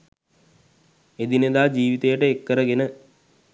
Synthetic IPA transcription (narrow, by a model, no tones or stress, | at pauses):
ed̪ined̪aːd͡ʒiːʋit̪ejəʈəekːəɾəɡenə